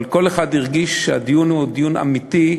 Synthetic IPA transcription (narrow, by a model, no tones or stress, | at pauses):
lko̞leχad̪niʁɡiʃʃead̪ijunud̪ijuna̰mit̪i